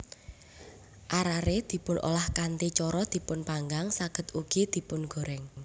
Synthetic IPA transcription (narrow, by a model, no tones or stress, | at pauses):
ʔaɾaɾed̪̥i̤pʊnʔo̰lahkant̪it͡ʃɔɾɔd̪̥i̤pʊnpaŋɡaŋsaɡ̥ə̤t̪uɡ̥id̪̥i̤pʊnɡ̥o̤ɾɛŋ